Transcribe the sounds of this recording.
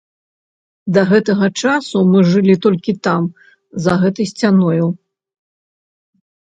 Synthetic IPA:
d̪ɐɣɛt̪ɐɣɐt͡ʂasumɨʐɨlʲit̪ɔlʲkʲit̪am | zɐɣɛt̪ɨjsʲt͡sʲanɔju

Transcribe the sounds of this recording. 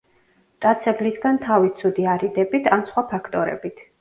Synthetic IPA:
t̪ʼat̪sʰɛblisɡant̪ʰavist̪sʰud̪iaɾid̪ɛbit̪ʰansχwapʰakʰt̪ʼɔɾɛ̰bit̪ʰ

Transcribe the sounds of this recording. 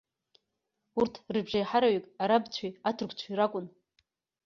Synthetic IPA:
urtʰrɨbʒajħaɾaɥikʼaɾabt͡ɕʷʰiatʰɨrkʷʰt͡ɕʷʰaiɾakʷʼʊn

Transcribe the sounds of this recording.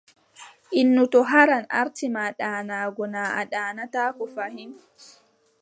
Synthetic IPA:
ʔinːutɔɦaɾana̰ɾtimaɗaːnaːɡɔnaːʔa̰ɗaːnataːkɔfahim

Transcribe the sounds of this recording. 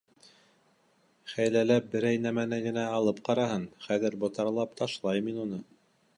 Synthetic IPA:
χæjlælæp̚bɘ̆ɾæjnæmænæɡɘ̆næɑlˠɤp̚qɑɾɑɦɤnχæðɘ̆ɾbŏt̪ɑɾlˠɑpt̪ʰɑʃlˠɑjminunɤ

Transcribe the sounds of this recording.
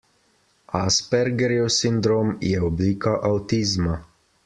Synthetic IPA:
aspɛɾɡɛɾiosind̪ɾoːmjɛɔbliːkaʔawt̪iːzma

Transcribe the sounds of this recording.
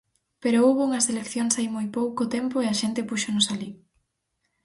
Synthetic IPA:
peɾooβouŋɐselekθjoŋsajmojpowkʊt̪empoeɐʃent̪ɪpuʃonʊsali

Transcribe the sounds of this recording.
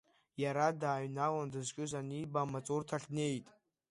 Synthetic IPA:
jaɾadaːɥnawandɨzkʲʼɪzanibamat͡sʼurtʰaɬʲne̞jtʼ

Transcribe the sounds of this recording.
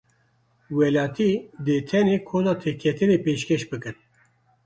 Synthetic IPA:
wɛlɑːt̪ʰiːd̪eːt̪ʰɛneːkʰoːnɑːt̪ʰekʰɛt̪ʰɨneːpeːʃkɛʃbɨkɨn

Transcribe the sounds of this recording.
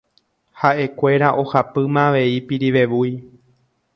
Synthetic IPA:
haʔe̞kʷe̞ɾaʔo̞hapɨmãʋe̞ipiɾiʋe̞ʋuj

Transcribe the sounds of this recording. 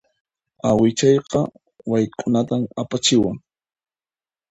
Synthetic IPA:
awɪt͡ʃɑjqɑ | wajkʼʊnat̪amapat͡ʃɪwaŋ

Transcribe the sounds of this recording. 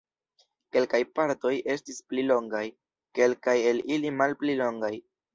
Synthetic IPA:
ke̞lkajpaɾto̞jʔe̞stisplilo̞ŋɡaj | ke̞lkaje̞lilimalplilo̞ŋɡaj

